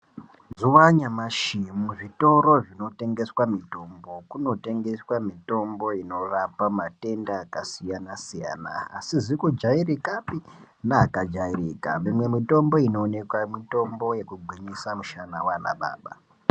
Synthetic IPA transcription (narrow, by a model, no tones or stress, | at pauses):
zuwaɲamaʃimuʐito̞ɾo̞ʐino̞te̞ŋɡe̞swamito̞mbo̞kuno̞te̞ŋɡe̞swamito̞mbo̞ino̞rapamate̞ndaːkasijanasija̰ːna̰ːsizikud͡ʒairikapi | naːkad͡ʒairika̰mimwe̞mito̞mbo̞ino̞ːne̞kwamito̞mbo̞je̞kuɡ͡bʱiɲisamuʃanawana̰ɓa̰ːɓa̰